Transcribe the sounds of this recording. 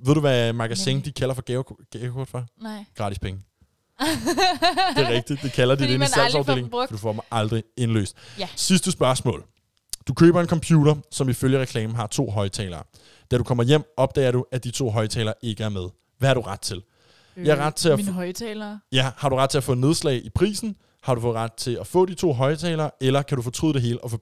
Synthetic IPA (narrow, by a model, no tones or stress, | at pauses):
ʋeðˠd̥uʋæmɑ̈ɡ̥æseŋd̥ikʰæl̰ɐfɒɡ̥ɛʊɡ̥ɛʊkʰod̥fɑ̈ɡ̥ʁɑ̈ːd̥ispʰeŋə | d̥e̝ʁɛɡ̥̚d̥id̥d̥e̝kʰælɐd̥idenselsɑʊd̥e̝l̰e̝ŋɒd̥ufɒ̰̥mɪʔɑ̈ld̥ʁie̝nlø̰ːsd̥sisd̥əsb̥ɶɐsmɔ̰̽ːl | d̥ukʰø̰ːb̥ɐe̝nkʰɒ̽mpʰjuːɾɐsɒ̽miføljəʁɛkʰlɛːmn̩ɦɑ̈t͡sʰo̝̰ːɦɒ̽ɪt͡sʰɛ̰ːlɐː | d̥æɾu̥kʰɒ̽m̰ɐjem̰ɒ̽b̥̚d̥ɛ̰ːɪɐɾuæd̥it͡sʰo̝̰ːɦɒ̽ɪt͡sʰɛ̰ːlɐʔe̝ɡ̥əæɐmeð̞ˠ | ʋæɐɾ̥uʁɑ̈d̥̚t͡sʰe̝l | jɑɪæɐʁɑ̈d̥̚t͡sʰe̝æɛlɐjæhɑ̈ɾuʁɑ̈d̥̚t͡sʰe̝læfɔ̽ðne̝ð̞ˠslɛ̰ɪʔipʰʁḭːsn̩ | hɑ̈ɾufɔʁɑ̈d̥̚t͡sʰe̝læfɔ̰̽ːd̥it͡sʰo̝̰ːɦɒ̽ɪt͡sʰɛ̰ːlɐːelɐkʰædɾufɔ̽ːt͡sʰʁy̰ð̰ˠd̥e̝ɦe̝ːləɒ̽fɔ